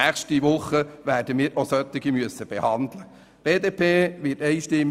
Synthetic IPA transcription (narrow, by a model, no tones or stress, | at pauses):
æχʃtiʋʊχəʋæːrdəmɪːɾʔosœt̪ːɪɡimyəsəb̥ɛhɑndlə | b̥eːdepʰeːʋɪtɛɪʃtɪm